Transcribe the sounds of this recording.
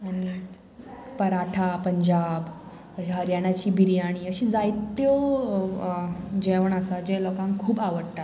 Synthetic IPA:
añi | pəɾaʈʰapəɲd͡ʑab | əɕaɦəɾjaɽ̃at͡ɕiːbiɾijaɽ̃iːəɕiːd͡zajt̪ːjo | d͡ʑeʋəɳasad͡ʑelɔkãŋkʰuːbaʋəɽʈat̪

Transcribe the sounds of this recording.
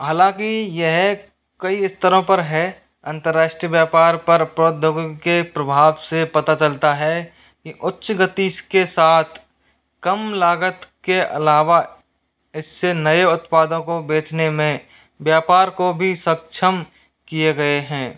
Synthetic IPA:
ɦaːlãːkijeɦ | kəiɪst̪əɾõpəɾɦɛ | ə̃nt̪əɾːaːʃʈɾiəʋjaːpaːɾpɐɾpɾoːd̪ʱoɡkepɾəbʱaːʋsepɐt̪at͡ʃəlt̪aɦɛ | kiʔʊtːʃɡət̪iskesaːt̪ʰ | kəmlaːɡət̪keʔɐ̰laːʋa | ɪsːenəeʊt̪paːd̪õkobeːt͡ʃnemẽ | bjaːpaːɾkobʱisək̚t͡ʃʰəm | kieɡɐeɦɛ̃ː

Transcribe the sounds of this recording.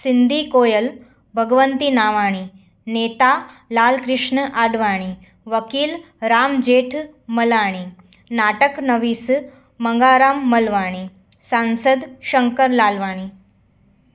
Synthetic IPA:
sind̪ʱikoːjəl | bʱəɡʋənt̪iːnaːʋaːɽ̃i | net̪alaːlkɾɪʂɳəʔaɖʋaːɽ̃i | ʋəkiːl | ɾaːmd͡ʑeːʈʰ | məlaːɽ̃i | naʈəknəʋiːs | məŋɡaɾaːmːəlʋaːɽ̃i | sãnsəd̪ɕəŋkəɾlaːlʋaːɽ̃i

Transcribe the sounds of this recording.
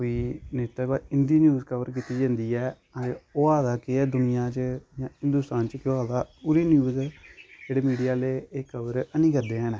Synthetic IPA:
oiːneːt̪aːbaːɪnd̪iːnjuːzkəʋəɾk̬it̪iːd͡ʒãːnd̪iːɛː | əoːaːd̪aːkɪd̪ʊnɪjãːt͡ʃəjãːhɪ̃nd̪ʊst̪aːnt͡ʃəkɪoaːd̪aːpʊɾiːnjuːzd͡ʒeːɽeːmiːɖijaːleːeːkəʋəɾənĩːkəɾd̪eːɦənɛː

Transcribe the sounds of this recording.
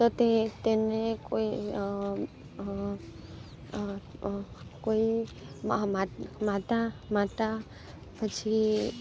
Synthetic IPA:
t̪ɔt̪et̪enekoi | koi | mamaʈamaʈa | pət͡ʃʰi

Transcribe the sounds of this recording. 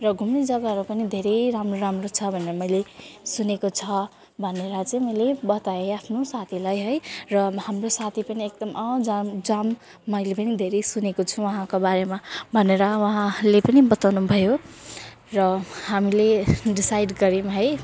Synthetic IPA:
rʌɡʱumnid͡zʌɡaɦʌɾupʌnid̪ʱeɾejɾamroɾamrot͡sʰʌbʱʌneɾʌmʌjlesunekot͡sʰʌ | bʱʌneɾʌt͡sʌĩmʌjlebʌt̪aeapʰnosat̪ʰilajɦʌjrʌhamrosat̪ʰipʌniek̚d̪ʌmʔʌd͡zamd͡zamː | ʌjlepʌnid̪ʱeɾejsunekot͡sʰuwʌɦãkobaɾemabʱʌneɾʌwʌɦãlepʌnibʌt̪awnubʱʌjo | rʌhamileɖisajɖɡʌɾimɦʌj

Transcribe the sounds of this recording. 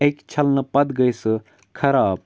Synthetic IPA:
ɐjkt͡ʃʰɐlnɐpɐd̪ɡɐjsɨ | kʰɐɾaːb

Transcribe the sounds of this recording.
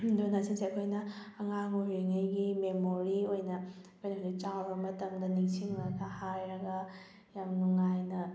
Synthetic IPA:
donasinseɐkʰojnɐɐŋaŋoɾiŋɐjɡimemoɾiojnɐɐkʰojnɐɦonit͡ʃawɾɐmɐtɐmd̪ɐniŋsiŋɾɐɡɐhajɾɐɡɐ | jamnuŋajnɐ

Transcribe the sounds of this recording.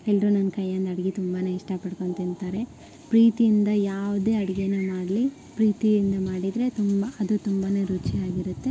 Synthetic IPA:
elːɾunɐnɐkɐjːɐnd̪ɐɽɐɡit̪umbaːne̞ːiʂʈɐpɐɽko̞ɳt̪int̪aːɾe̞ | pɾiːt̪ijind̪ɐjaːʋd̪e̞ːɐɽɐɡenemaːɽli | pɾiːt̪ijind̪ɐmaːɽid̪ɾe̞t̪umbɐɐd̪ut̪umbane̞ːɾut͡ʃiaːɡiɾut̪ːe̞

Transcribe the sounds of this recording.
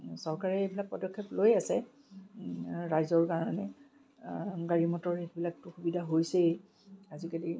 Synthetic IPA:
sɔɹkaɹɛebilak̚pɔdɔkʰːeplojasɛ | ɹajzɔɹkaɹɔnɛ | ɡaɹimɔtɔɹetbilak̚tʊxubidʱaɦojsɛ | azikali

